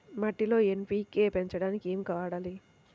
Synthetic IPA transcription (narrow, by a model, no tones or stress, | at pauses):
mɐʈːilo̞ːenpiːkːeːpeɲt͡ʃɐɽaːnikeːmikɐʋaːɽaːli